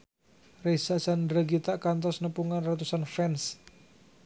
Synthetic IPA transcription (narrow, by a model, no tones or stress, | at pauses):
resasandɾaɡit̪aʔkant̪ɔsnəpuŋanrat̪usanfɛns